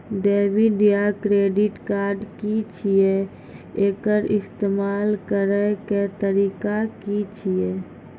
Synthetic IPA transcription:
ɖeːbiɖijakɾeːɖɪʈkaːɾɖkit͡ʃʰie | eːkəɾɪst̪eːmaːlkəɾəket̪əɾiːkakit͡ʃʰie

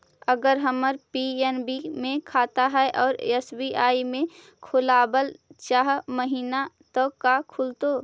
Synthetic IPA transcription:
əɡəɾɦəməɾpienbimẽkʰaːt̪aɦɛɛʔɔːɾesbiːʔaːimẽ | kʰʊlaːbəlt͡ʃaɦməɦiːna | t̪ɔkakʰʊlt̪oː

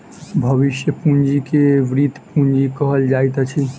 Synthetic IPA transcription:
bʱəβiʃjəpũnd͡ʒikeʋɾid̪ʱpũnd͡ʒikəɦəld͡ʒajt̪ət͡ʃʰi

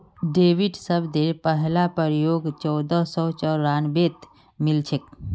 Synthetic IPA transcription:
ɖeːwiɖsəbd̪eɾpəɦlapəɾjoːɡt͡ʃɔːd̪əsɔt͡ʃɔɾaːnbet̪ | mɪlt͡ʃʰek

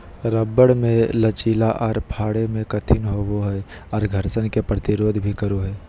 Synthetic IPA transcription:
ɾəbːəɽmẽlət͡ʃiːlaʔɔːɾpʰaːɽemẽkɐt̪ʰɪnɦoʋoɦɛ | ɔːɾɡʱəɾsənkepɾət̪ɪɾoːd̪ʱbʱikəɾoɦɛː

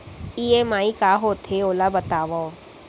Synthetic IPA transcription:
iːemaːikaːɦoːt̪ʰeoːlabɐt̪aːʋao

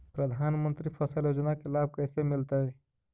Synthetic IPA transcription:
pɾəd̪ʱaːnmə̃nt̪ɾipʰɐsəljoːd͡ʒnakelaːb̚ʱkɛːsemɪlt̪aɦɛː

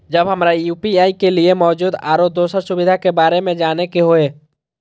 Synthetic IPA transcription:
d͡ʒəbɦəmɾajuːpiaːikeliemɔːd͡ʒuːd̪a̰ːɾod̪oːsəɾsʊbɪd̪ʱakebaːɾemẽd͡ʒaːnekeɦoeː

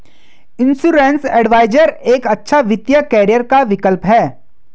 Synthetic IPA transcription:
ɪ̃nsuɾẽːnsɛːɖʋaːɪd͡ʒəɾeːkɐtːʃʰaʋɪt̪jəkɛːɾijəɾkaʋɪkəlpɦɛː

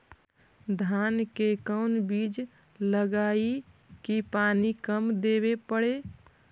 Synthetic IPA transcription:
d̪ʱankekəʊnbiːd͡ʒ | ləɡai | kipanikəmd̪eβepəɽe

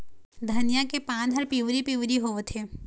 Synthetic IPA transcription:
d̪ʱɐnijakepãːnəɾpiʋɾipiʋɾiɦoːʋt̪ʰeː

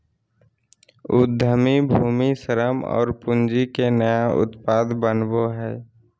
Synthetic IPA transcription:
ʊd̪ʱːəmibʱuːmisəɾəmɔ̰ːɾpʊnd͡ʒikenəjaʊ̰t̪paːd̪bənboɦɛː

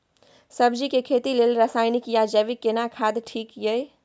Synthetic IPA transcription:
səbd͡ʒikekʰet̪ilelɾəsajnikjad͡ʒəʋikːenakʰad̪ʈʰikjəj

